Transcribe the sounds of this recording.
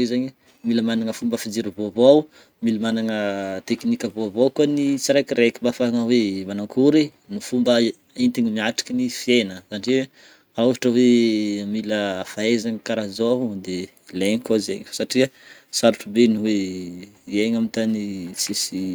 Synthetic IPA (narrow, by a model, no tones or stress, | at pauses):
izaɲi | miləmanaŋəfumbəfid͡ʒiɾivovaw | milimanaŋət̪eknikʲəvovakuənit͡siɾajkiɾekimbafaŋəwemanaŋkʰuɾi | nufumbə | int̪iɲimiaʈ͡ʂḁkinifienəz̥anʈ͡ʂe | auɦaʈ͡ʂəwemiləfaezaŋəkaɾazoɦud̪e | leɲikazḛɲfsaʈ͡ʂiəsaɾuʈ͡ʂubenuwe | ieɲamint̪anisesi